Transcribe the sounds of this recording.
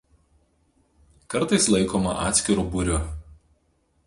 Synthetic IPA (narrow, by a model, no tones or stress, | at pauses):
kɐɾˑt̪ɐɪslˠɐɪkoːmɐ̰ʔɑ̰ːt̪sʲkʲɪɾuːbʊɾʲʊ